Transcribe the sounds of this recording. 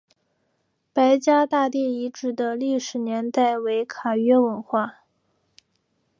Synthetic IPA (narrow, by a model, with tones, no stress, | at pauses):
pa˧˥ɪt͡ɕja˥t̪a˥˧t̪i˥˩i˧˥ʈ͡ʂɻ̩˨˩d̪ə˦li˥˩ʂɻ̩˨˩njɛ˧˥nt̪a˥˩ɪwe˧˥ɪkʰa˨˩ɥɛ˥wə˧˥nxwa˥˩